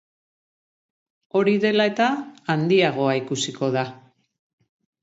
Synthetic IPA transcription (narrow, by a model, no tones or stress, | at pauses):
o̞ɾiðe̞lae̞t̪aːnd̪iaɣ̞o̞aikusiko̞ða